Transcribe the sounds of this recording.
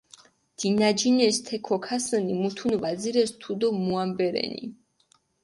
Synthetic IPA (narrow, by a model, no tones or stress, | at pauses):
d̪̥inad͡ʒinɛst̪ʰɛkʰɔkʰasɛnimut̪ʰunvad̪ziɾɛst̪ʰud̪ɔmuambɛɾɛ̰nḭ